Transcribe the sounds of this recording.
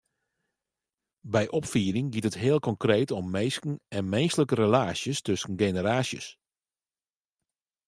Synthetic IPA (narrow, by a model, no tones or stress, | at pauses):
bɛjʔɔpfiːəɾɪŋɡitətɦɪːlˠkɔŋkreːtɔmːejskn̩ɛnmɛnstləkəɾəlaːsjəstɵsən̩ɡenəɾaːsjə̰s